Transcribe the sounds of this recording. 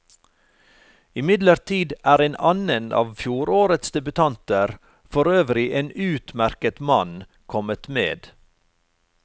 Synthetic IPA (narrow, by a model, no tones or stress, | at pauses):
ɪmɪd̪ləɾt̪ʰiːd̪ʔæːɾeːnɑnənɑ̰ːʋfjuːɾoːɾət̪sd̪ɛbʉt̪ʰɑnt̪əɾ | fɔɾøːʋɾɪʔeːnʉːt̪mæɾkət̪mɑn | kʰɔmət̪mḛːd̪